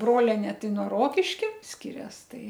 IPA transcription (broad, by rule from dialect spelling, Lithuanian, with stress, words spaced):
ˈbroːlʲɛnʲeː ˈtɐɪ nuɔ ˈroːkʲɪʃʲkʲɛ ˈsʲkʲɪrʲɛs ˈtɐɪ